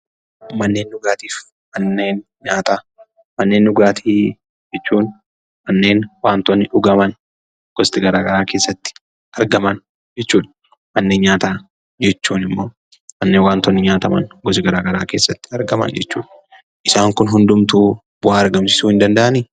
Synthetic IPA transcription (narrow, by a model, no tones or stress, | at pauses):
mɐnːe̞ːnːʊɡaːt̪iːf | mɐnːeːn | ɲaːt̪aː | mɐnːe̞ːnːʊɡaːt̪ʰiː | d͡ʒɛt͡ʃːuːn | mɐnːe̞ːnwaːnt̪ɔnːɪʔʊɡɐmɐn | ɡ̥ɔst̪ɪɡɐɾaːɡɐɾaːke̞ːsːɐt̪ːɪ̥ | ʔɐɾɡɐmɐn | d͡ʒɛt͡ʃːuːᶑɐ | mɐnːeːnɲaːt̪aː | d͡ʒɛt͡ʃːuːnɪmːo̞ː | mɐnːeːnwaːnt̪ɔnːɪɲaːt̪ɐmɐ̰nɡɔs̬ɪɡɐɾaːɡɐɾaːkeːsːɐt̪ːɪ̥ɐɾɡɐmɐ̰nd͡ʒɛ̰t͡ʃːṵːᶑɐ | ʔɪsaːŋkʊnɦʊnd̪ʊmt̪uː | b̥ʊaːɐɾɡɐmsɪ̥suːhɪnd̪ɐnd̪ɐʔɐniː